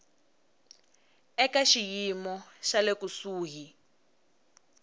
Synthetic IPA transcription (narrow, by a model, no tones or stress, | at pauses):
ɛkaʃijimɔʃalekusuːɦi